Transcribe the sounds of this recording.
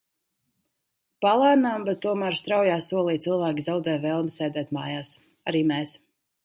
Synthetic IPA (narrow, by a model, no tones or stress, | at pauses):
palˠaːnaːmbɛt̪ːuɔmæɾst̪ɾawjaːsuɔlˠiːt̪silˠvaːkʲizawd̪ɛːjvɛːlˠmsɛjd̪ɛːt̪maːjaːs | aɾiːmɛːs